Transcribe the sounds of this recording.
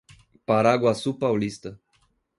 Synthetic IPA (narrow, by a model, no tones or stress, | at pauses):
paɾaɡwasupawlist̪ə